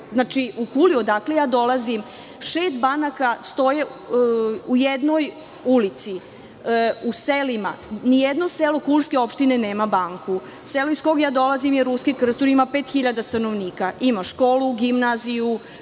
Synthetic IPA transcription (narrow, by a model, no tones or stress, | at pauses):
znaːt͡ʃiʔukuliod̪akle̞jaːd̪o̞lazim | ʃeːst̪banakast̪o̞je | ujed̪no̞j | ulit̪si | uselima̰nijed̪noselokulˠskeo̞pʃt̪ineneːmabaŋku | seloisko̞ɡjaːd̪o̞lazimjeɾuskekr̩st̪oɾimapeːt̪xiʎad̪ast̪ano̞ʋniːkaʔimaʃko̞ːluɡimnaziju